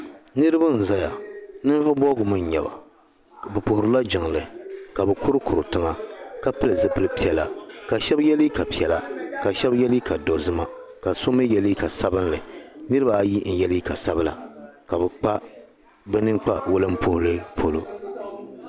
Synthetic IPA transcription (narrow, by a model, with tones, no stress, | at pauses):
nɨ˦ɾɨ˦ba˦n̩˨za˦ja̰˨nɨ˦n˦vɨ˦bɔ˦ɡʊ˨mɨ˦ɲ˨ɲɛ˨ba̰˨ | bɛ˨pʊ˨hʊ˨ɾɨ˦la˦d͡ʒɪ˨ŋlɨ˨ka˨bɛ˨kʊ˦ɾɨ˦kʊ˨ɾɨ˨tɨ˦ŋa˨ka˦pɨ˦lɨ˨zɨ˦pɨ˦lɨ˦pi˦ɛ˨la̰˨ka˨ʃɛ˦bjɛ˦li˦ka˨pi˦ɛ˨la˨ka˨ʃɛ˦bjɛ˦li˦ka˨dɔ˨zɨ˦ma˦ka˨so˦mɨ˦jɛ˨li˦ka˨sa˦bɨ˦n˦lɨ˨nɨ˦ɾɨ˦ba˨˦ji˦n̩˨jɛ˦li˦ka˨sa˦bɨ˦la̰˨ka˨bɛ˨k͡pa˦ | bɛ˦nɨ˦ŋk͡pa˦wʊ˦lɨ˦m̩˦pʊ˦hʊ˦lɨ˦pʰo˦lo˦